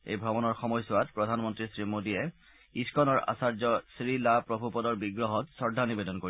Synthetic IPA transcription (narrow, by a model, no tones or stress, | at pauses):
ḛjbʱɹɔbɔnɔɹxɔmɔjsʊwatpɹɔdʱanmɔntɹisɹimodiɛ | iskɔnɔɹa̰saɹd͡ʒɔsɹilapɹɔbʱupɔdɔɹbiɡɹɔɦɔtsɔɹdʱanibedɔnkoɹi